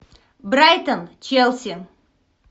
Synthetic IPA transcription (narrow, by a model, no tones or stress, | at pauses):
bɾajt̪ənt͡ʃelˠsʲiŋ